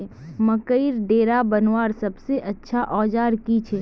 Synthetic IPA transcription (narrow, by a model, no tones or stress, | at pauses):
məkəiɾɖeːɾabənwaːɾsɐbseʔɐtːʃʰaʔɔːd͡ʒaːɾkit͡ʃʰɛ